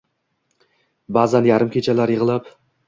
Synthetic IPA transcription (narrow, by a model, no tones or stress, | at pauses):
bazanjaɾɪmkʲʰet͡ʃʰalaɾjɪʁɨlˠap